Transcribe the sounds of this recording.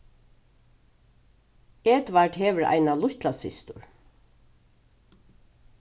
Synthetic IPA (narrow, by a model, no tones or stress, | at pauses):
eːt̪ʋaʈɦeːʋəɹa̰jnalʊht̪lasɪ̰st̪ʊɹ